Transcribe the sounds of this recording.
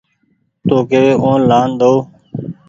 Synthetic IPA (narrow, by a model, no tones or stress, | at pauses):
t̪oːkeːʋeːʔõːlaːnd̪oː